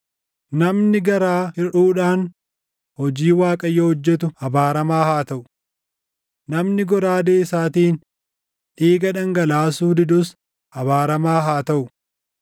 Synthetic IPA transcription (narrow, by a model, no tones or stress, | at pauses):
nɐmnɪɡɐɾaːhɪɾuːᶑaːn | hɔd͡ʒiːwaːkʼɐjːohɔd͡ʒːɛt̪̬ʊɐbaːɾɐmaːhaːt̪ɐʔʊ̥ | nɐmnɪɡɔɾaːd̪eːɪsaːt̪iːn | ᶑʔeːɡɐᶑɐŋɡɐlaːsuːd̪ɪd̪ʊs | ɐbaːɾɐmaːɦaːt̪ɐʔʊ